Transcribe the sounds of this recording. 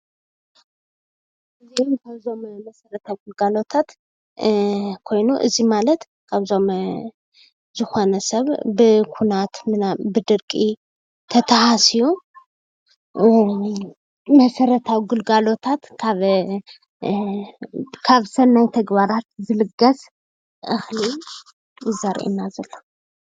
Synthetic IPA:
ʔɨzimkʰaβzo̞mmɐsɐɾɐt̪ʰawiɡɨlɡalo̞t̪ʰat̪ | kʰo̞jnuʔɨzimalɐt̪ | kʰaβzo̞m | zɨxo̞nɐsɐβbɨkʰunat̪mɨnabɨd̪ɨɾkʼi | t̪ʰɐt̪ʰahasiju | mɐsɐɾɐt̪ʰawiɡɨlɡalo̞t̪ʰat̪kʰaβ | kʰaβsɐnːajt̪ʰɐɡbaɾat̪zɨlɨɡɐs | ʔɨxli | jɪzaɾʔḭnazɐlːo

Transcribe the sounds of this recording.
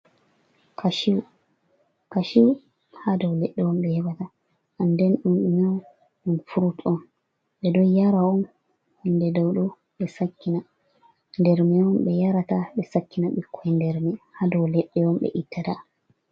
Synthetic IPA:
kʰaʃiw | kaʃiw | hadɔwlɛɗːɛwɔmɓɛhɛbata | ʔandɛnɗunɗumɛw | ɗunfuɾutɔn | ɓɛdɔjjaɾaɔn | hindɛdɔwɗɔ | ɓɛsakːina | ndɛɾmɛɔmɓɛjaɾataɓɛsakːinaɓikʰːɔjndɛɾmɛhadɔwlɛɗːɛwɔmɓɛ̰ʔitːata

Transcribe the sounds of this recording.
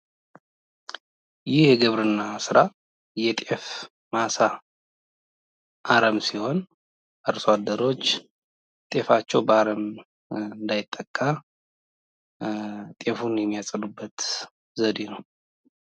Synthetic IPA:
jɪhjɛɡɨβɾɨnːasɨɾa | jɛt̪ʼe̞f | masa | ʔaɾəmsiho̞n | ʔaɾsad̪ːəɾo̞t͡ʃː | t̪ʼe̞fat͡ʃːɛwbəaɾəm | ɨnd̪ajɪt̪ʼːəkʼːa | t̪ʼe̞funjɛmːijasʼəlubːət̪ | zəd̪enəw

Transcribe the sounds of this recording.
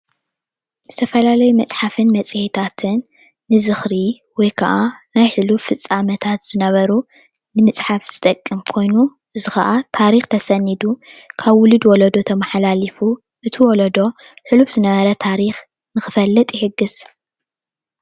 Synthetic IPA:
zɨt̪ʰɐfɐlalɐjumɐt͡sʼħafɨnmɐt͡sʼihet̪ʰat̪ʰɨnː | ɨzɨxɾi | wɔjkʰɐʔanajħɨlufɨt͡sʼːamɐt̪ʰat̪z̥ɨnɐβɐɾu | nɨmɨt͡sʼħafz̥ɨt̪ʼɐkʼːɨmkʰo̞jnu | ʔɨzɨxɐ̰ʔat̪ʰaɾixt̪ʰɐsɐnːid̪ukʰaβwʊlɨd̪wɔlɐd̪o̞t̪ʰɐmɐħalalifu | ʔɨt̪ʰɨwɔlɐd̪o̞ | ħɨlufz̥ɨnɐβɐɾɐt̪ʰaɾix | nɨxɨfɐlːɐt̪ʼjɪħɨɡːɨz̥

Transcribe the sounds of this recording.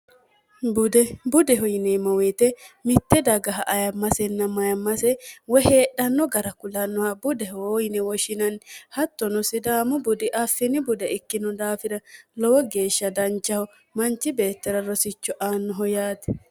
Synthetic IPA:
bʊd̪ɛbʊd̪ɛɦɔjɪnɛmɐweːt̪ɛmɪt̪ːɛd̪ɐɡɐɦɐʔɐjɐmːɐsɛnːɐmɐjɐmːɐsɛwɔheːɗːɐnːɔɡɐɾɐkʊlɐnːɔhɐbʊd̪ɛhoːjnɛwɔʃɪnɐnhɐt̪ːɔnɔsɪd̪aːmʊbʊd̪ɪʔɐfːɪnɪbʊd̪ɛɪkːɪnɔd̪aːfɪɾɐlɔwɔɡe̞ːʃːɐd̪ɐnt͡ʃːɐhɔ | mɐnt͡ʃːɪbe̞ːt̪ːɛɾɐɾɔsɪt͡ʃːɔʔaːnːɔɦɔjaːt̪ɛ

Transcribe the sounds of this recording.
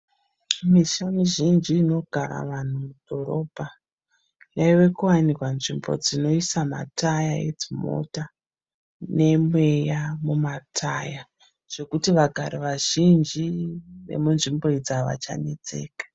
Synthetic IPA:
miʃamiʒind͡ʒiːno̞ɡ̥ʱaɾa̰ʋan̤umud̥ʱo̞ɾo̞bʱa | jaiʋe̞kuwanikwanʐimbo̞̰d͡zino̞isama̰tajaḛd͡zimo̞̰ta | ne̞mwe̞jamumatʰaja | ʐ̥e̞kutiʋaɡʱaɾiʋaʒ̥ind͡ʒine̞̰munʐimbo̞id͡zaʋa̰t͡ʃa̰ne̞t͡se̞̰ːkḁ

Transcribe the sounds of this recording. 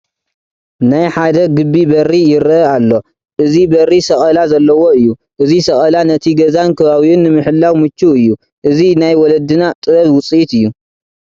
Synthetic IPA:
najħad̪ɐɡɨbːibɐɾːijɪɾɐalːo̞ | ʔɨzibɐrːisɐχʼɐlazɐlːɐwo̞ɨjːu | ʔɨzisɐχʼɐlanɐt̪ʰiɡɐzankʰɐβaβiʔʊnːɨmɨħɨlːawmɨt͡ʃːuɨjːu | ʔɨzinajwɔlɐd̪ɨnat̪ʼɨɾɐβwʊt͡sʼiʔit̪ɨjːu

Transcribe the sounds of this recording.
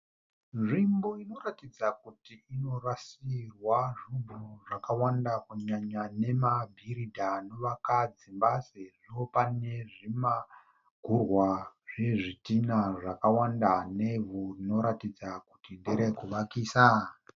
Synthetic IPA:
nʐimbo̞ino̞ɾatid͡zakutiːno̞rasirwaʐubuʐakawandakuɲaɲane̞mabʱiɾidʱanoʋakad͡zimbaseʐiopane̞ʐima | ɡʱurwaʐe̞ʐitinaʐakawandane̞vurino̞ɾatid͡zakutindeɾekuʋakiːsa

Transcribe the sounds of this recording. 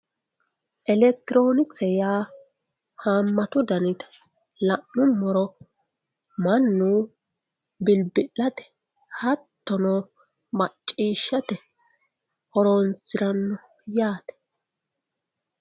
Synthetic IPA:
ʔɛlɛkt̪ɪɾoːnɪksɛjaː | haːmːɐt̪ʊd̪ɐnɪt̪ɛ̥ | lɐʔːʊmːɔɾɔ | mɐnːu | bɪlbɪʔːɐt̪ɛ̥ | hɐt̪ːɔno | mɐt͡ʃʼːiːʃːɐt̪ɛ | ɔɾoːnt͡sːɪɾɐnːɔ | jaːt̪ɛ̥

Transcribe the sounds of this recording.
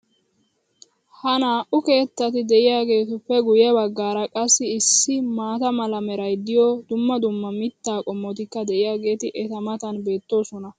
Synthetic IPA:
hɐnaːʔʊke̞ːt̪ːɐt̪ɪd̪ɛʔɪjaːɡe̞ːt̪ʊpːɛɡʊjɛbɐɡːaːɾɐkʼɐsːɪːsːɪmaːt̪ɐmɐlɐmɛɾɐjd̪ɪjoːd̪ʊmːɐd̪ʊmːɐmɪt̪ːaːkʼɔmːɔt̪ɪkːɐd̪ɛʔɪjaːɡe̞ːt̪ɪʔɛt̪ɐmɐt̪ɐnbe̞ːt̪ːo̞ːsɔnɐ

